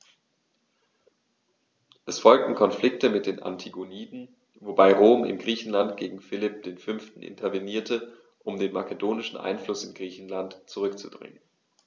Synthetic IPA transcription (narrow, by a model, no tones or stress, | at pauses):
ʔɛsfɔlk̚tn̩kʰɔnflɪk̚təmɪt̚d̥eːnʔa̰ntʰiɡoniːdn̩ | vobaɪʁoːmɪ̰mɡʁiːçn̩lant̚ɡ̥eːɡŋ̩fɪlɪp̚d̥eːnfʏnftn̩ʔɪ̰ntʰɐveniːɐtʰə | ʔʊmdeːnma̰kedoːnɪʃn̩ʔa̰ɪnflʊsɪnɡʁiːçn̩lantt͡suʁʏkt͡sṵdʁɪ̰ŋən